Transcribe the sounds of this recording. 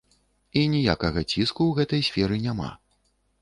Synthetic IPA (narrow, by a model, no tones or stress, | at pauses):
inʲija̰kɐɣɐt͡sʲiskuwɣɛt̪ɐjsʲfʲɛɾɨnʲama̰